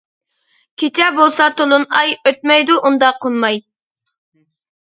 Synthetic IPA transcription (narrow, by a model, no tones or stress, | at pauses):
kʲʰet͡ʃʰɛbolˠsɑt̪ʰolˠunɑjøt̪̚mɛjd̪uʔund̪ɑqʰːonmɑj